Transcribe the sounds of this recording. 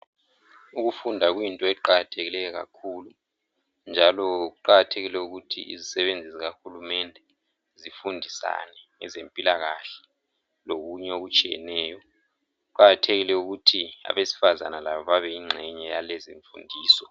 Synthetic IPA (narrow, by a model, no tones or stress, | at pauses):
uɣufundʱaɣwintʼɔɛǃaɣatʰeɣilɛjɔɣa̰kʰuːlu | nd͡ʒʱalɔɣuǃaɣatʰeɣilɛuɣutʰḭizisɛβend͡zʱiziɣaxulumɛndʱɛ | zifundʱisa̰nɛŋɛ̰zempʼilaɣaɬɛ̥ | loɣuɲɛoɣut͡ʃʼijɛ̰nɛːjɔ | uǃaɣatʰeɣilɛuɣutʰia̰βesi̥fazanalaβɔβaβɛiŋ͡ǁʱɛɲɛjalezḭɱfṵndʱiːsɔ